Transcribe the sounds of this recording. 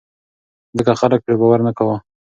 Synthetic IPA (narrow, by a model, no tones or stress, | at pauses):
zəkaxalək̚pɾebawaɾnakawə